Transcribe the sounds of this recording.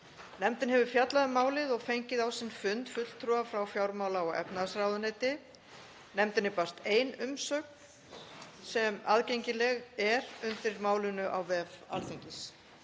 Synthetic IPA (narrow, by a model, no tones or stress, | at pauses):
nɛmt̪ɪnɦɛvʏfjat̪laðɪmaːwlɪðɔɣfejɲcɪðawsɪnfʏnt̪fʏt̪l̥t̪ʰːɾuafɾawfjawɾmaːwlaɔɣɛ̰pnaðsɾaːwðʏnejt̪ɪ | nɛmt̪ɪnɪpar̥t̪eːjnʏmsœk̚n̥ | sɛmaðcejɲcɪlɛɣɛɾʏnt̪ɪɾmaːwlɪnʏʔa̰wvɛva̰lt̪eɲcɪs